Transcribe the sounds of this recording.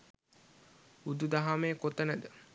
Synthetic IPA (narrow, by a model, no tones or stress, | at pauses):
ud̪ud̪aɦameːkot̪ənəd̪ə